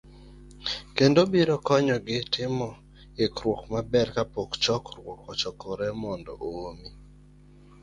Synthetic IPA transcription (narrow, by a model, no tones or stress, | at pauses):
kendobiɾɔkɔɲɔɡɪtɪmɔ | ɪkɾwokmabɛrkapokt͡ʃɔkɾwɔkɔt͡ʃɔkɔɾɛmɔndɔ̰ʔomi